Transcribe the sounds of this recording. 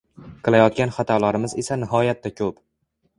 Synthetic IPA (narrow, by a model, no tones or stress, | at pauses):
qʰɨlˠajɒt̪̚kʲanχat̪ʰɒlaɾɪmɪze̞sanɪɦɒjat̪̚ːakʲʰɵp